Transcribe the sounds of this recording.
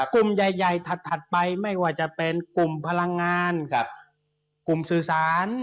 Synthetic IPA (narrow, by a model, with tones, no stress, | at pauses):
ku˨˩mja˨˩jːa˨˩jt̪ʰa˨˩t̪ʰːa˨˩t̪̚pa˧jma˥˩jwaː˥˩t͡ɕa˨˩pe˧nku˨˩mpʰa˧la˧ŋːaː˧n˧ | ku˨˩msɯː˨˩saː˩˦n